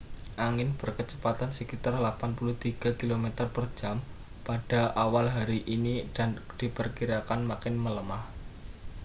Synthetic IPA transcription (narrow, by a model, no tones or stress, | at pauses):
ʔaŋɪnb̥ərkət͡ʃə̥pat̪ansəkit̪arlapanpuluht̪iɡ̥a̤kilomet̪ərpər̥d͡ʒ̥a̤m | pad̥a̤ʔawalɦaɾiʔinid̥and̥ipərkiɾakanmakɪnmələmah